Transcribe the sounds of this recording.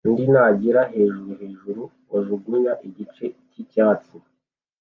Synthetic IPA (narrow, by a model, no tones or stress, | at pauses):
ndinaːɟiɾaɦe̞ːʒuɾuhe̞ːʒuɾu | oʒuɡuɲaʔiɟit͡ʃe̞cicaːt͡si